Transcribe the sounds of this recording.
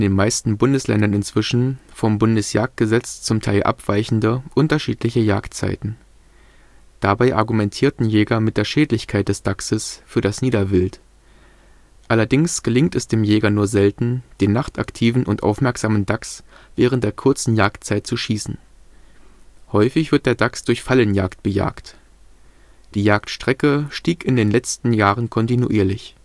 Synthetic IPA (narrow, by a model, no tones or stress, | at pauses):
ʔɪndeːnmaɪstn̩bʊndəslɛ̰ndɐnɪnt͡sv̥ɪʃn̩fɔmbʊndəsja̰ːk̚t̚ɡ̥əzɛt͡st͡sʊmtʰaɪlʔa̰pv̥aɪçn̩dəʔʊntɐʃiːtlɪçəja̰ːktt͡sa̰ɪtn̩ | d̥abaɪʔaɐɡumɛntʰiːɐtn̩jɛːɡɐmɪt̚d̥eːɐʃɛːdlɪçkʰaɪt̚d̥ɛsd̥aksəsfyːɐɾasniːdɐvɪlt | ʔalɐdɪŋsɡ̥əlɪŋtɛsd̥eːmjɛːɡɐnuːɐzɛltn̩d̥eːnːaχta̰ktʰiːvn̩ʔʊntʔa̰ʊfmɛɐkz̥aːməndaksv̥ɛːʁ̞ən̩td̥eːɐkʰʊɐt͡sn̩jaːktt͡saɪtt͡suʃiːsn̩ | hɔʏfɪçv̥ɪɐt̚d̥eːɐdaksd̥ʊɐçfalənjaːkt̚b̥əja̰ːkt | d̥iːjaːktʃtʁ̥ɛkəʃtiːkɪndeːnlɛt͡stn̩jaːʁənkʰɔntinṵʔiːɐlɪç